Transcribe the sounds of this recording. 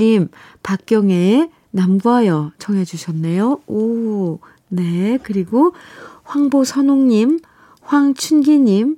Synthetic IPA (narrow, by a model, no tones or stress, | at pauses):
impak̚k͈jʌŋe | namɡuɦajʌt͡ɕʰʌŋɦe̞d͡ʑuɕʰʌnːe̞joo | ne̞kɯɾiɡoɸwaŋbosʰʌnoŋɲim | ɸwaŋt͡ɕʰunɡiɲim